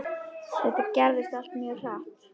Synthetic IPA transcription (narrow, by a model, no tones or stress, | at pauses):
sɛt̪ɪcɛɾðɪst̪al̥t̪mjœraht̪